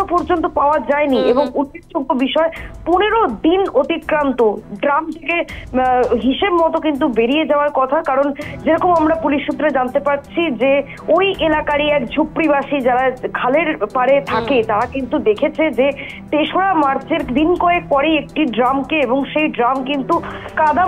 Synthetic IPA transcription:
opɔɾd͡ʑont̪̬opaoad͡ʑaenieboŋuʈit͡ɕʰuɡobiʃɔepuneɾod̪inot̪ikːɾant̪oɖɾamt̪ʰeke | ɦiʃebmɔt̪okint̪ubeɾied͡ʑaoaɾkɔt̪ʰakaɾond͡ʑeɾɔkomamɾapuliʃːut̪̬ːɾed͡ʑant̪epaɾt͡ɕʰid͡ʑe | ojʔelakaɾiɛkd͡ʑʱupːɾibaʃid͡ʑaɾakʰaleɾpaɾet̪ʰaket̪aɾakint̪ud̪ekʰet͡ɕʰed͡ʑe | t̪eʃoɽamaɾt͡ɕeɾd̪inkɔek̚pɔɾeek̚ʈiɖɾamkeeboŋʃejɖɾamkint̪ukad̪a

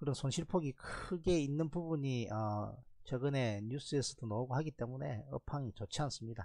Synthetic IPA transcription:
kɯɾʌnsʰonɕʰiɭpʰoɡikʰɯɡe̞inːɯnpubuɲiʌt͡ɕʌɡɯne̞ɲjus͈ɯesʰʌd̥onʌuɡohaɡit͈e̞mune̞̰ʌ̰pʰaŋit͡ɕot͡ɕʰians͈ɯmɲida

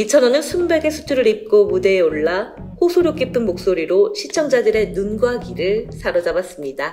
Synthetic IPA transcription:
it͡ɕʰʌnʌnɯnsʰumbe̞ɡe̞sʰu̥tʰuɾɯɾip̚k͈omude̞ːoɭːa | ɸosʰoɾjok͈ipʰɯnmok̚s͈oɾiɾoɕʰit͡ɕʰʌŋd͡ʑadɯɾe̞nɯnɡuɦaɡiɾɯɭsʰaɾʌd͡ʑabas͈ɯmɲida

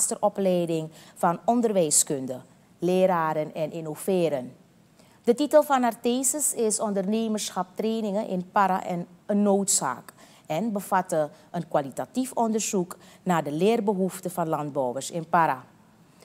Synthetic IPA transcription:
stərʔɔplɛjdɪŋfɑnɔndərʋɛjskɵndə | lɪːɾaːɾənɛnɪnov̥ɪːɾən | d̥ətitəlˠfɑnarteːsəsɪsɔndərneːmərsxɑp̚treːnɪŋənʔɪ̰npaɾa̰ʔɛnənːoːtsa̰ːk | ɛnbəvɑtəʔənkwalitatifɔndərzuknaːdəlɪːrbəɦuftəvɑnlɑnd̚bɔwwərsɪnpaɾa

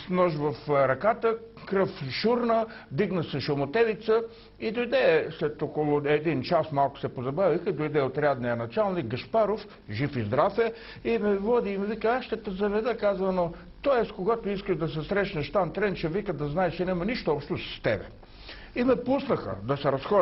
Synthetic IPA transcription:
smnɔʃvɐfɾɐkat̪əkɾɤfʃuɾnəd̪iɡnəsɛʃʊmot̪ɛvit̪sə | id̪ojd̪ɛslɛt̪ɔkolˠʊɛd̪int͡ʃasmalˠkʊ̥sɛpozɐbavixid̪ojd̪ɛot̪ɾʲad̪nijənɐt͡ʃalˠnik̚ɡɐʃpaɾof | ʒifizd̪ɾafɛ | imɛvɔd̪imvikəaʃt̪ət̪əzɐvɛd̪əkazvəno | t̪ɔɛst̪koɡat̪ʊiskəʒd̪ɐsɛsɾɛʃnəʃt̪ant̪ɾɛnt͡ʃɛvikəd̪ɐznaɛt͡ʃɛnɛmɐniʃt̪oɔpʃt̪osɐ̥st̪ɛ̰bɛ̰ | imɛpusnəxə̰d̪ɐsɛɾɐsxɔ

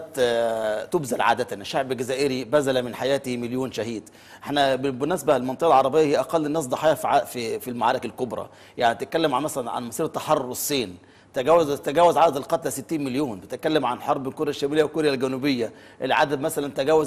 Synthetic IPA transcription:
t̪ | t̪obzælʕa̰ːd̪æt̪ænʃːaʕbɡæzæːʔeɾibæzælæmɪnħajæːt̪imeljoːnʃæɦiːd̪ | ʔeħnæbbenæːsbælmɑnt̪eʔɑlʕɑɾˤɑbejːɑhejʔæqɑlːɪnːæːs̬d̪ˤɑħiːjɑfʕa̰fifilmaʕaːɾˤekælkobɾˤɑ̰ | jaʕnit̪et̪̚kælːemʕamæsælænʕa̰nmɑsiːɾɑt̪ːɑħɑrˤːosˤːiːn | t̪æɡæːwæzt̪æɡæːwæzʕaːd̪æd̪ɪlqɑt̪læsɪt̪ːiːnmeljoːnbet̪et̪̚kælːemʕanħɑɾˤbekoɾjæʃːæmilejːæwkoɾjælɡænuːbɪjːæ | ʔelʕa̰d̪æd̪mæsælænt̪æɡæːwæz

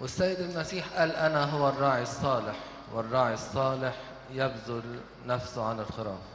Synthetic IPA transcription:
wɪsːajːɪd̪ɪlmasiːħʔalʔanaɦʊwːarˤːɑːʕisˤːɑːlɪħ | wɪrˤːɑːʕisˤːɑːlɪħ | jabzʊl | nafsʊʕalɪlxɪɾˤɑ̰ːm

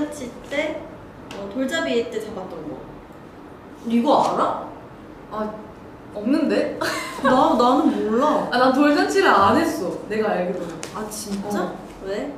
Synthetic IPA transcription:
at͡ɕʰit͈e̞ | ʌtoɭd͡ʑabiet͈e̞tebat̚t͈ʌnɡʌ̰ | ɾiɡoaɾa | a | ʌmnɯnde̞nananɯnmoɭːaanatoɭd͡ʑat͡ɕʰiɾɯanɦe̞s͈ʌne̞ɡaaɭɡɯɾʌmoat͡ɕʰit͡ɕ͈a | we

